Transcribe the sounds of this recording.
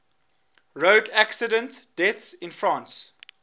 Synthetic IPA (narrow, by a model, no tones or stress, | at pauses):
ɹoʊdæksədə̃ntd̥ɛθsɪ̃nfɹɑ̃ːns